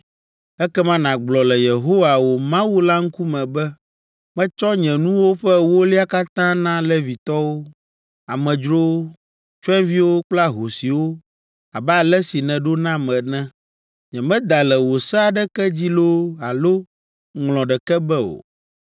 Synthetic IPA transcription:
ɛ˦kɛ˦mã˦nã˨ɡ͡blɔ˨lɛ˨je˨ɦo˦wa˨wo˨mã˦wu˦la˦ŋ̩˦ku˦mɛ̃˨bɛ˦ | mɛ̃˦t͡ʃɔ˦ɲɛ̃˨nũ˦wo˦ɸɛ˦wo˦li˦a˦ka˦t̪ã˦nã˦le˦vi˨t̪ɔ˦wo˦ | a˨mɛ̃˨d͡ʒɾo˦ | t͡ʃɛ̃˦vi˦wo˦k͡pla˦ɦo˨si˨wo˦ | a˨bɛ˦a˨lɛ˦si˨nɛ̃˨ɖo˦nã˦mɛ̃˨nɛ̃˦ | ɲɛ̃˨mɛ̃˦d̪a˨lɛ˨wo˨sɛ˦a˨ɖɛ˦kɛ˦d͡ʑi˦lo˦a˨lo˦ | ŋlɔ̃˨ɖɛ˨kɛ˦bɛ˦o̰˨

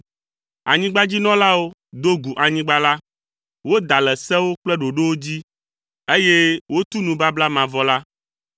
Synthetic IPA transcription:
a̰˨ɲĩ˦ɡ͡ba˦d͡ʑi˦nɔ̃˦la˦wo˦d̪o˦ɡu˨ʔa˨ɲĩ˦ɡ͡ba˦la˦ | wo˦d̪a˨lɛ˨sɛ˦wo˦k͡plɛ˦ɖo˨ɖe˦wo˦d͡ʑi˦ | e˦je˦wo˦t̪u˦nũ˨ba˦bla˦mã˨vɔ˦la˦

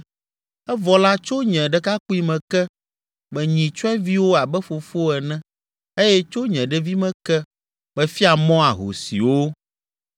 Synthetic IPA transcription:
ɛ˦vɔ˨la˦t͡ʃo˦ɲɛ̃˨ɖɛ˦ka˦ku˦i˦mɛ̃˨kɛ˦ | mɛ˨ɲĩ˨t͡ʃɔ˦ɛ̃˦vi˦wo˦a˨bɛ˦fo˨fo˦ɛ˨nɛ̃˦ | e˦jɛ˦t͡ʃo˦ɲɛ̃˨ɖɛ˦vi˦mɛ̃˨kɛ˦ | bɛ˦fi˦a˨mɔ̃˦a˨ɦo̰˨sḭ˨wo˦

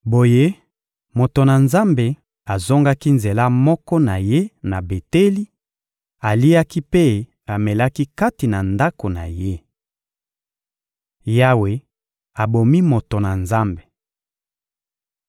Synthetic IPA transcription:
bo˨je˦ | mo˨to˨na˨nza˦mbe˨ | a˨zo˦ŋɡa˦ki˦nze˨la˦mɔ˦kɔ˦na˨je˦na˨be˨te˦li˦ | a˨li˦a˦ki˦pe˦ | a˨mɛ˨la˦ki˦ka˦ti˨na˨nda˦ko˨na̰˨je˦ | ja˦we˨ | a˨bo˨mi˦mo˨to˨na˨nza˦mbe˨

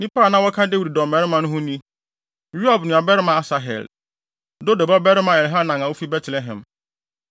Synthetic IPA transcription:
nĩ˦pa˦˨nã˦wɔ˦kʰã˦de˦wu˨ɾi˨dɔ̃˨m˨mɛ˨ɾɪ˦mã˨nʊ̃˦ɦʊ̃˦nĩ˦ | ɾu˦a˨bnʊ̃˨a˨bɛ˦ɾɪ˦mã˨a˨sa˨ɦɛ̰˨l | do˦do˨ba˦bɛ˦ɾɪ˦mã˨ɛ˨lɦa˦nã˨ŋã˨wo˦fi˦bɛ˦tʰlɛ˨ɦɛ̰̃˨m

